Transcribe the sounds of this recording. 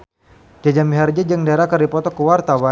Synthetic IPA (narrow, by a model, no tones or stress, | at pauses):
d͡ʒad͡ʒamiɦard͡ʒad͡ʒəŋdaɾakərdipɔt̪ɔkuwart̪awa